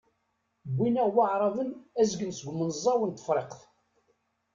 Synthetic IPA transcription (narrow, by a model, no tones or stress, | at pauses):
bːinæʁwaʕɾˤɑðənæzɡənsəɡʷmənzˤːɑwənt̪ːə̥fɾˤeqθ